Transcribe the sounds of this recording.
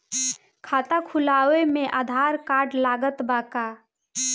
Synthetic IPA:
kʰaːt̪akʰulaːwemẽʔaːd̪ʱaːɾkaːɖlaːɡət̪baːka

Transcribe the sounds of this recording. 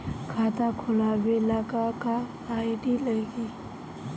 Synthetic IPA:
kʰaːt̪akʰʊlabelakakaː | iɖiləɡi

